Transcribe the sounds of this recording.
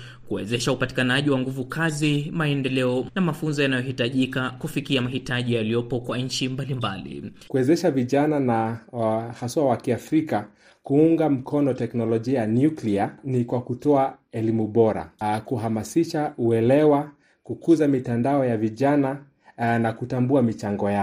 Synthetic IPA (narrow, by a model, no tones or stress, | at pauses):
kuwɛzɛʃaupati̥kanaʄiwaŋɡuvukazimaɛndɛlɛɔnamafunzɔjanajɔhitaʄikakufikiamahitaʄijaliɔpɔkwaɲ̩t͡ʃimbalimbalḭkuɛzɛʃaviʄanana | haswawakiafɾika | kuuŋɡam̩kʰɔnɔtɛknɔlɔʄiajnjuklianikwakutɔaɛlimuɓɔɾa̰kuɦamasiʃauɛlɛwa | kukuzamitandaɔjaviʄana | nakutambuamit͡ʃaŋɡɔja